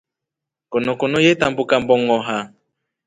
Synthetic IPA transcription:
kɔnɔkɔnɔjetambukambɔŋɔɦa

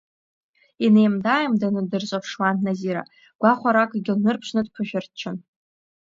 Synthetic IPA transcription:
inejmdajamdanɨdɨrzʼapʰʂwannaziɾa̰ | ɡ̥ʷaχʷaɾakʼɡʲɪlnɨrpʰʂnɨdpʰaʃᶣɨrtt͡ʃʰɨn

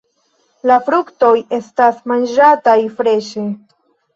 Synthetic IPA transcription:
lafɾukto̞je̞stasmand͡ʒatajfɾe̞ʃe̞

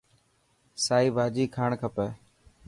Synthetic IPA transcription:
saːiːbʱaːd͡ʒiːkʰaːɳkʰəpeː

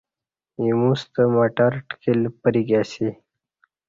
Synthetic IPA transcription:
imũst̪əmaʈaɾʈkilpəɾiɡasi

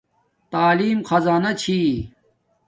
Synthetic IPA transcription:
t̪aːliːmxɐzaːnɐt͡ɕʰiː

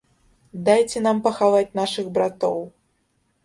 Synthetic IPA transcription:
d̪ajt͡sʲɛnampɐxavat͡sʲnaʂɨɣbɾat̪ɔw

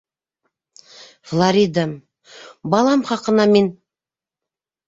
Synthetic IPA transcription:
flˠaɾʲid̪a | bɑlˠɑmχɑqənɑmen

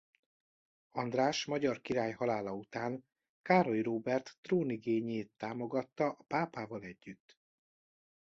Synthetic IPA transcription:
ɒnd̪raːʃmɒɟɒrkiɾaːjhɒlaːlɒut̪aːn | kaːɾo̞jroːbɛrt̪ːroːniɡeːɲeːt̪ːaːmo̞ɡɒt̪ːɒʔɒpaːpaːvɒlɛɟːyt̪ː

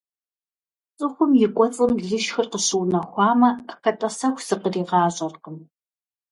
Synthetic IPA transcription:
t͡sʼɨxʷʊmjɪkʷʼɔt͡sʼɨmɮɨʃxɨrqəɕuwnɐxʷɑːmɐxɐtʼɐsɐxʷsɨqəriːʁɑːɕʼɐrqəm

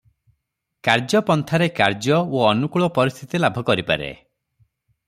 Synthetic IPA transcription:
kaɾd͡ʒɔpɔnt̪ʰaɾekaɾd͡ʒɔoːnukuɭɔpɔɾist̪ʰit̪ilabʱɔkɔɾipa̰ɾḛ

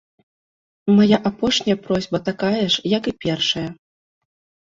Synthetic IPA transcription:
majaʔapɔʂnʲɐjɐpɾɔzʲbɐt̪akajɛʂjɐkɨpʲɛrʂɐjɐ

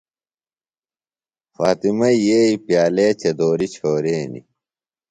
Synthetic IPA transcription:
faːt̪imɐjeːipjaːleːt͡ɕɐd̪oːɾit͡ɕʰoːɾeːnḭ

